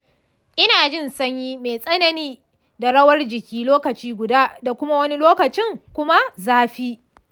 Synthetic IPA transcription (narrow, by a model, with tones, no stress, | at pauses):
ʔɪ˦naː˨d͡ʒɪ˦˨nsɐ˦ɲjiː˦meː˨sʼɐ˦nɐ˨niː˦ | da˨ɽɐ˦wɐ˦rd͡ʒɪ˨kʲiː˦loː˦kɐ˨t͡ʃiː˦ɡʷʊ˨daː˦da˨kʷʊ˦ma˦wɐ˦ni˦loː˦kɐ˨t͡ʃɪ˦ŋkʷʊ˦ma˦zaː˦ɸiː˦